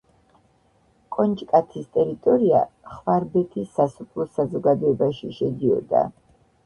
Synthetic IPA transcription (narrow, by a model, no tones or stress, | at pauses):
kʼɔnt͡ʃʼkʼat̪ʰist̪ʼɛɾit̪ʼɔɾia̰χvaɾbɛt̪ʰisːasupʰlˠɔsazɔɡad̪ɔɛbaʃiʃɛd̪iɔ̰d̪a̰